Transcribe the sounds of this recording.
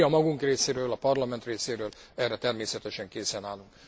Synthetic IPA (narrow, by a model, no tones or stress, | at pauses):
ɒmɒɡuŋkreːseːɾøːlɒpɒrlɒmɛnt̪reːseːɾøːlɛrːɛt̪ɛrmeːsɛt̪ɛʃɛŋkeːsɛnaːluŋk